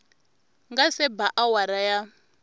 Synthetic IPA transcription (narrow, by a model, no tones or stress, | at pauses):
ŋɡasɛbaʔawaɾaja